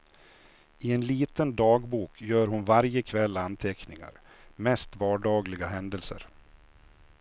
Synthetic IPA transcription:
ɪɛnliːt̪ənd̪ɑːɡbuːkʰjœːɾɦʊnvaɾjəkʰvɛlːant̪ʰɛknɪŋa̰ɾ | mɛst̪vɑːɖɑːɡlɪɡaɦɛnd̪əlsə̰ɾ

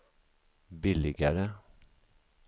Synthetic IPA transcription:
bɪlɪɡəɾə

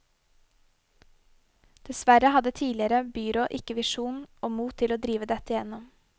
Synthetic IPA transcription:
d̪̥ɛsʋæɾəhɑd̪ət̪ʰiːlɪəɾəbyːɾɔʔɪkəʋɪʃuːnoːmuːt̪ʰɪloːd̪ɾiːʋəd̪ɛt̪əjɛnɔm

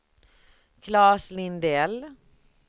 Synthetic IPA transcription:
kʰlɑːslɪnd̪ɛl

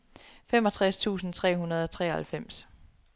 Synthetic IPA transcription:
fem̰ɒ̽t͡sʰʁast͡sʰṵːsn̩t͡sʰʁɛ̰ːɦunɐð̞ˠɒ̽t͡sʰʁɛ̰ːhælfem̰s

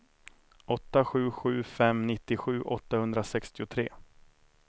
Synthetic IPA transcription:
ɔt̪ːaɧʉ̟ːɧʉ̟ːfɛmnɪt̪ːɪɧʉ̟ːʔɔt̪ːahɵnd̪ɾasɛkst̪ɪʊt̪ʰɾeː

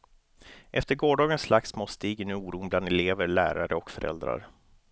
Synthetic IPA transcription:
ʔɛft̪əɾɡoːɖɑːɡənslaksmoːst̪iːɡɪnːuːɾuːnbland̪ɛleːvəɾɭæ̰ːɾaɾəɔkfœɾʔɛ̰ld̪ɾa̰ɾ

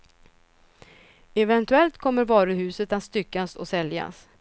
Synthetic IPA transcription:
ɛvɛnt̪ɵɛlt̪kʰɔmːəɾvɑːɾɵɦʉ̟ːsət̪at̪st̪ʏkːasɔ̰sɛlja̰s

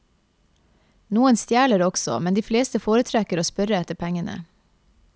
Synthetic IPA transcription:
nuːənst̪jæːɭəɾɔɡ̥sɔ̰mɛnd̪iːfleːst̪əfoːɾət̪ʰɾɛkəɾoːspœɾəɛt̪əpʰɛŋənə̰

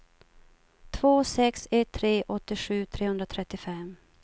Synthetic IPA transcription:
t̪ʰv̥oːsɛksɛt̪ʰːɾeːʔɔt̪ːɪɧʉ̟ːt̪ʰɾeːhɵnd̪ɾat̪ʰɾɛt̪ːɪfɛm

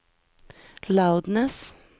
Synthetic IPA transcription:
laʊd̪nəs

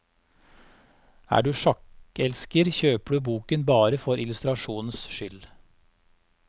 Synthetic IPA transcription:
æ̰ːɖʉːʃɑkɛlskəɾçøːpəɖʉːbuːkənbɑːɾəfɔɾɪlʉst̪ɾɑʃuːnn̩sʃʏl

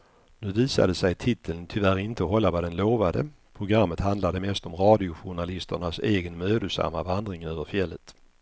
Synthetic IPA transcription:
nʉ̟ːviːsa̰d̪əsɛjt̪ʰɪt̪ʰːələnt̪ʰʏvæɾɪnt̪əɔɦɔlːavad̪ɛnloːvad̪ə | pʰɾʊɡɾamːət̪hand̪lad̪əmɛst̪ɔmɾɑːd̪ɪʊɧʊɳalɪst̪əɳaseːɡənmøːd̪əsa̰mːavand̪ɾɪŋənøːvəɾfjɛlːət̪

